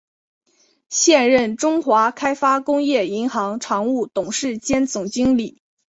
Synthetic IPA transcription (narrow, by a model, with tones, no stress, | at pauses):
ɕjɛ˥˧nɻə˥˩nʈ͡ʂʊ˥ŋxwa˧˥kʰa˥ɪfa˥kʊ˥ŋjɛ˥˩i˧˥ŋxɑ˧˥ŋʈ͡ʂʰɑ˧˥ŋu˥˩t̪ʊ˨˩ŋʂɻ̩˥˩t͡ɕjɛ˥nt͡sʊ˨˩ŋt͡ɕi˥ŋli˨˩˦